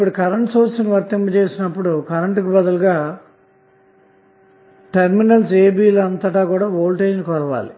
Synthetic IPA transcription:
ipuɽukɐɾɐɳʈsoːɾsɐnʋɐɾt̪imbɐt͡ʃe̞ːsinɐpːuɽukɐɾɐɳʈkibɐd̪ɐluɡaː | ʈɐɾminɐnseːbiːlɐnt̪ɐʈaːkuːɽaːʋoːlʈeːd͡ʒnikɔɾɐʋa̰ːli

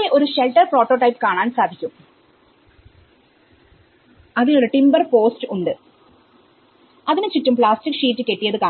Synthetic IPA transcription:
eʔo̞ɾuɕelʈːɐrpro̞ːʈːo̞ːʈɐjpkaːɳaːnsaːd̪ʱikʲːum | ɐðinoɾuʈimbɐrpo̞ːstɨuɳɖɨ | ɐðinɨt͡ɕitːumpɭaːstikːʂiːtːɨke̞ʈːijɐðɨkaː

